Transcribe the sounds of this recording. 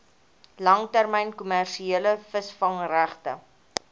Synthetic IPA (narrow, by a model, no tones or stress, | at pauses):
lɐŋtærmɛjnkumærʃieələfəsfɐŋræχtə̰